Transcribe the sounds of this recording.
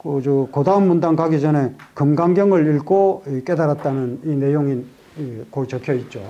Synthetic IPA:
kɯd͡ʑukodaɯnmundaŋkaɡid͡ʑʌne̞kɯmɡaŋɡjʌŋɯɭiɭkoik͈e̞daɾat̚t͈anɯnine̞joŋi | ikoit͡ɕʌkʰjʌit̚t͡ɕ͈o

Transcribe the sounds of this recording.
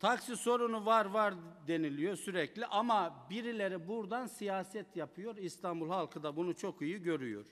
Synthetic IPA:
t̪ʰaksiso̞ɾunuvaɾvaɾd̪e̞nilʲijo̞syɾɛclʲiʔamabiɾilʲe̞ɾibuɾd̪ansijaːsɛt̪ʰjapʰɯjo̞ɾist̪ʰanbulˠhalˠkʰɯd̪abunut͡ʃʰo̞kijiɟø̞ɾyjo̰ɾ̥

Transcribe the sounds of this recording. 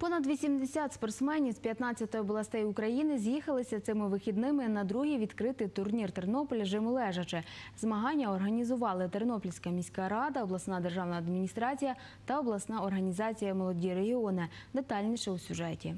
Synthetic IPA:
pɔnɐd̪ʋʲisʲimd̪esʲat̪spɔrt̪smɛnʲiwspʲjɐt̪nɑt͡sʲːɐt̪ɔjɔblˠɐst̪ɛjʊkɾɐjinɪzʲjixɐlˠɪsʲɐt̪sɪmɪʋɪxʲid̪nɪmɪnɐd̪ɾuɦiʋʲid̪kɾɪt̪ɪjt̪ʊrnʲirt̪ernɔpɔlʲɐʒɪmʊlˠɛʒɐt͡ʃɪzmɐɦɑnʲːɐɔrɦɐnʲizʊʋɑlˠɪt̪eɾnɔplʲsʲkɐmʲisʲkɑɾɑd̪ɐɔblˠɐsnɑd̪e̞rʒɑwnɐːd̪mʲinʲist̪ɾɑt͡sʲijɐ | t̪ɐɔblˠɐsnɑɔrɦɐnʲizɑt͡sʲijɐmɔlˠɔdʲiɾeɦʲiɔnɪ | d̪et̪ɑlʲnʲiʃɛwsʲuʒɛtʲi

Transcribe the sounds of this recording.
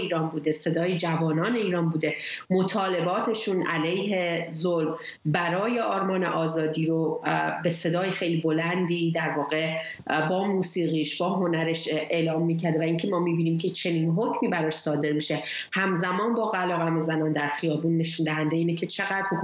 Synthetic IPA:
iːɾɒːnbuːd̪e̞se̞d̪ɒːjid͡ʒævɒːnɒːne̞iːɾɒːnbuːd̪emo̞t̪ʰɒːle̞bɒːt̪ʰe̞ʃuːnʔælejɦe̞zolm | bæɾɒːje̞ʔɒːɾmɒːne̞̰ʔɒːzɒːd̪iːɾobe̞se̞d̪ɒːjexe̞jlibo̞lænd̪id̪æɾvɒːɣe̞ | bɒːmuːsiːɣiːʃbɒːɦo̞næɾe̞ʃeːlɒːmːiːcʰæɾd̪evæiːncʰe̞mɒːmiːbiːniːmcʰe̞t͡ʃʰe̞niːnɦocʰmiːbæɾɒːʃsɒːd̪e̞ɾmiʃe̞ | hæmzæmɒːnbɒːɣælɒːɣæmezænɒːnd̪æɾxijɒːbuːnːeʃund̪æɦænd̪e̞iːnecʰe̞t͡ʃʰe̞ɣæd̪ɾok

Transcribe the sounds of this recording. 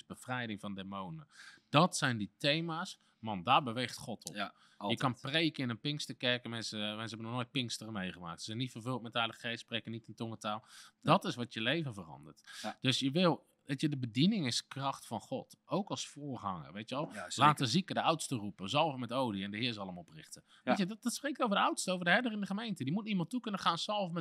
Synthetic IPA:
sbəfrɛjdɪŋvɔndemownəd̥ɔtsɛjnditejmaːs | mɑndaːbəʋejχtχɔtʰɔ̰p | jəkɑnprejkəɪnənpɪŋstəkɛrkmɛnsəmɛns̬əɦɛbənɔχnoːjt̚pɪŋkstərəmejχəma̰ːk̚tsəzɛnːitfərvɵlˠt̚mɛtœjləəχejsprejkənitɪntɔŋətaːlˠd̥ɔtɪsʋɔtjəlejvənvərɑ̰ndərtd̥øsjəʋɪlˠ | ʋeːtjədəbədinɪŋɪskrɑxtfɑnχɔtowkɑlˠsfoːrχɑŋə̰rʋejtjʋɛlˠlaːtəzikədəawtstərupəzɑlˠfmɛtowdiɛndəɦɪːɹzɑlˠəmɔprɪxtə | ʋetjəddɔtsprek̚towvədəawtstəowvərdəɦɛrdərɪndəχəmejntədimutnimɑntːukɵnəχaːnsɑlˠfmɛ

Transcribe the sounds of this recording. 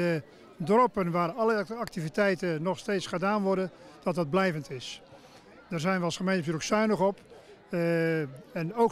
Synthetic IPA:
ə | drɔpənʋaːrɔlˠəak̚tivitɛjtənɔxsteːtsχədaːnʋɔrdənd̥ɔt̚dɑd̚blɛjvəntɪs | dərzɛjnʋəɑlˠsχəmejntəfyləksœɥnəɣɔp | ɛno

